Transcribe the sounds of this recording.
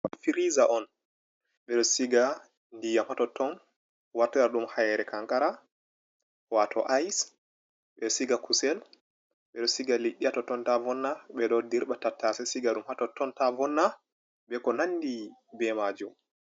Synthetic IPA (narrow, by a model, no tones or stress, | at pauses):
fiɾizaʔɔn | ɓɛɗɔsiɡa | ndijamhatɔtʰɔn | watːɔjaɗumhajɛɾɛkaŋkaɾa | watʰɔʔajs | ɓɛsiɡakusɛl | ɓɛɗɔsiɡaliɗːihatɔtɔntavɔnːaɓɛɗɔdiɾɓatatːasɛsiɡaɗumhatɔtːɔntavɔnːa | ɓɛkɔnanːdibɛmad͡ʒum